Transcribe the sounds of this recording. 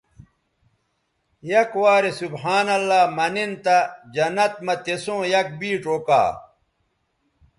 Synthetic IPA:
jɐkwaːɾesubħaːnɐlːaːmɐnint̪ɐd͡ʑɐnɐt̪̚mɐt̪esõːjɐk̚biːʈoːka̰ː

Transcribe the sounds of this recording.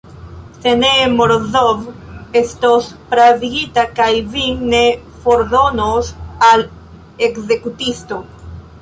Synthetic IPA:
senemoɾðovest̪ospɾaviɡit̪akajviŋne | foɾðonosal | ekze̞kut̪ist̪o

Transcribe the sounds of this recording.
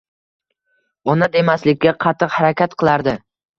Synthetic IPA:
ɒnad̪e̞maslɪkʲːaqʰɑt̪ʰːɨqhaɾakʲat̪qʰɨlˠaɾd̪ɪ

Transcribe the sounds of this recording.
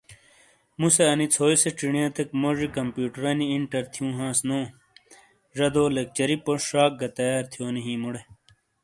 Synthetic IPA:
museɐnit͡sʰoːjseʈ͡ʂiɳijɐ̃t̪ʰekmoʐikɐmpjuːʈɐɾɐniiɳʈɐɾt̪ʰijũːɦãːsnõː | ʐɐd̪oːlek̚t͡ɕɐɾipoʂaːk̚ɡɐt̪ɐjaːɾt̪ʰijoːniɦĩːmuɽe

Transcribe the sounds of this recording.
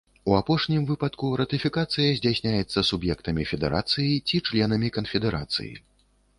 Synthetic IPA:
uapɔʂnʲimvɨpɐt̪kuɾɐt̪ɨfʲikat̪sɨjɐzʲd͡zʲasʲnʲajɛt̪sːɐsubjɛkt̪ɐmʲifʲɛd̪ɛɾʔa̰t̪sɨjit͡sʲit͡ʂlʲɛn̪ɐmʲikɐnfʲɛd̪ɛɾa̰t̪sɨ̰jḭ

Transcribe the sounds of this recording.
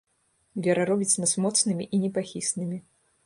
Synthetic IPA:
vʲɛɾɐɾɔbʲit͡s̪ʲnɐsmɔt̪snɨmʲiʔinʲɛpaxʲisnɨmʲi

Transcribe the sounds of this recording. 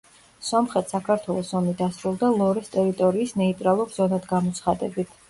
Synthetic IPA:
sɔmχɛt̪ʰsakʰaɾt̪ʰwɛlˠɔsɔmid̪asɾulˠd̪alˠɔɾɛst̪ʼɛɾit̪ʼɔɾiːsnɛit̪ʼɾalˠuɾz̥ɔnad̪ɡamɔt̪sʰχad̪ɛbit̪ʰ

